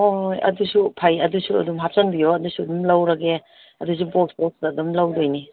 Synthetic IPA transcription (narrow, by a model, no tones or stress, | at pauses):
ojɐ̰dusupʰajɐdusuɐ̰dumɦap̚sɐŋbijoɐdusuɐdumlɐwɾɐɡe | ɐdus̬uboksbok̚sdɐdumlɐwdojni